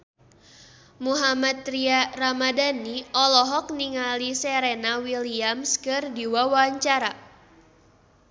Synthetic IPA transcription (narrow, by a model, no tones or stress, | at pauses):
muɦamat̪ɾiaramadaniʔɔlɔɦɔk̚niŋalisɛɾɛnawiliamskɨrdiwawaɲt͡ʃaɾa